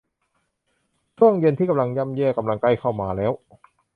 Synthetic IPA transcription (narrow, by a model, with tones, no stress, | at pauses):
t͡ɕʰu˥˩əŋje˧nt̪ʰiː˥˩ka˧mla˧ŋja˧˥˩mjɛː˧˩ka˧mla˧ŋkla˧˩jkʰa˥˩wmaː˧lɛː˦˥w